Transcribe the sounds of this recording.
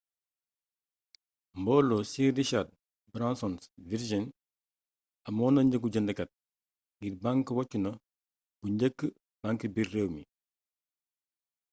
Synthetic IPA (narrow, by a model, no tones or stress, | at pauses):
mbɔlːɔsidiʃat̚ | bɾansɔnsviɾd͡ʒin | ɐmɔːnɐɲɟəɡ̬uɟɐndəkɐt̚ | ɡiɾbaŋkəwɔcːunɐ | b̥uɲɟəkːə | b̥aŋkəbirːewmi